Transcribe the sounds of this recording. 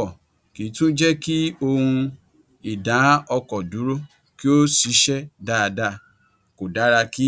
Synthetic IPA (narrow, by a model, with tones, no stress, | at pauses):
ɔ˨ | ki˨˦tũ˦d͡ʒɛ˦ki˦o˧hũ˧ | i˨dã˨˦ɔ˧kɔ˨du˨˦ɾo˦ | ki˦o˦si˨˦ʃɛ˦da˦˨˧da˧ | ko˨da˨˦ɾa˧ki˦